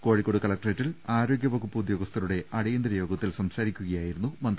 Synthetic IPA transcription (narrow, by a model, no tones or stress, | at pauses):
ko̞ːɻikːo̞ːɽukɐɭɐk̚ʈreːtːilaːɾo̞ːɡʲjɐʋɐkupːuud̪jo̞ːɡɐst̪ʰɐɾuɽe̞ʔɐɽɐjind̪ɾɐjo̞ːɡɐt̪ːilsɐmsaːɾikʲːuɣɐjaːjiɾunːumɐnd̪